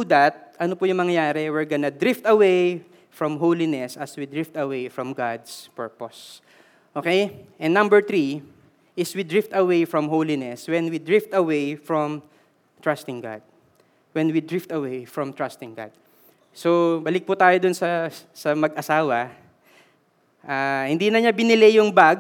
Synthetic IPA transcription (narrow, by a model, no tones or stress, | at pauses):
ud̪ɐt̪̚ʔɐnopʊjʊŋmɐŋɐjaːɾɛwɪɹɡɐnɐd̪ɾɪft̪ɐwej | fɹɔmɦowlɪnɛsɐswid̪ɹɪft̪ɐwejfɹɔmɡad̪spɛɹpos | ʔoːkejʔɛ̃nnɐ̃mbɛɹt̪ɾi | ʔɪswid̪ɹɪft̪ɐwejfɹɔmɦowlɪnɛswɛ̃nwid̪ɹɪft̪ɐwejfɹɔm | t̪ɹast̪ɪ̃ŋɡa̰d̪̚ | wɛnwid̪ɹɪft̪ɐwejfɹɔmt̪ɹast̪ɪ̃ŋɡa̰d̪̥̚ | sobɐlɪk̚pʊt̪aːjod̪ʊnsɐsɐmɐɡʔɐsaːwɐ | ʔahɪ̃nd̪iːnɐɲabɪnɪlejʊŋbaɡ̚